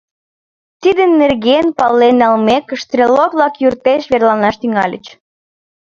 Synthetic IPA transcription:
t̪id̪ə̆nːerɣenpɑlːenɑlmekəʃt̪rʲelokβlɑkjurt̪eʃβerlɑnɑʃt̪yŋɑlʲə̰t͡ɕ

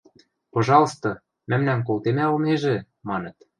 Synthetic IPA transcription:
pŏʒɑlst̪o | mæmnænk̬olt̪emæolmeʒĕ | mɑnɤ̆t̪

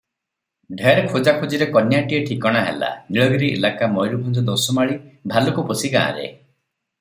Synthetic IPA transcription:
ɖʱeɾkʰud͡ʒakʰud͡ʒiɾekɔnjaʈieʈʰikɔɽ̃aɦḛla̰niɭɔɡiɾiʔḛlakamɔjɾubʱɔnd͡ʒɔd̪osɔmaɭibʱalukupɔsiɡã̰ːa̰ɾḛ

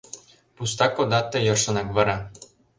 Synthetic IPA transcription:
pust̪ɑkːod̪ɑt̪ːɤ̆jɤ̆rʂɤ̆nɤ̆kβɤ̆ɾɑ

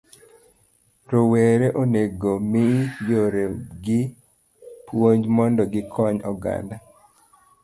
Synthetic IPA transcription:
ɾoweɾeʔoneɡomɪjoɾeɡɪ | pwoɲd͡ʒmɔndɔɡɪkʰɔɲɔɡa̰nda

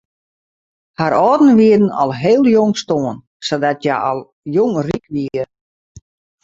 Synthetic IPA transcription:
haɾɔːdn̩ʋiədən̩ɔ̰lˠɦeːlˠjoŋstoən | sodatja̰ɔlˠ | joŋrikʋiə

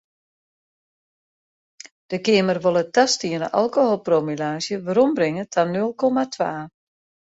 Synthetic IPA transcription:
d̥əkɪəmərʋolˠətastiənə̰ʔalˠkoholˠpromilaːsjəʋəɾɔmbrɪŋətʰanølˠkɔmatʰʋa̰ː

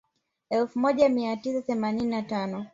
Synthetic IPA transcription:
ɛlfumɔʄamiatisaθɛmanininatanɔ

